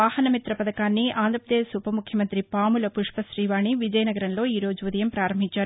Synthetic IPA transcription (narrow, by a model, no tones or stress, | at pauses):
aːhɐnɐmit̪ɾɐpɐd̪ɐkaːnːiaːnd̪ɾɐpɾɐd̪eʃupɐmukʰjɐmɐnt̪ɾipaːmulɐpuʂpɐʃɾiːʋaːɳiʋid͡ʒɐjɐnɐɡɐɾɐnlo̞ːiːɾo̞ːd͡ʒuʋɐd̪ɐjɐmpɾaːɾɐmbʱiɲt͡ʃaːɾuu